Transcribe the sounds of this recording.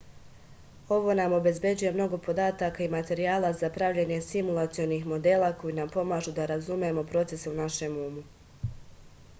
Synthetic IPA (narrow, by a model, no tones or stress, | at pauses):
o̞ʋo̞namo̞be̞zbje̞d͡ʑuje̞mno̞ɡo̞po̞d̪aːt̪akaimat̪e̞ɾiaːlˠazapɾavʎe̞ɲe̞simulˠat̪sijo̞nixmo̞d̪e̞ːlˠako̞jinampo̞maːʒud̪aɾazumemo̞pɾo̞t̪se̞seunaʃe̞muːmu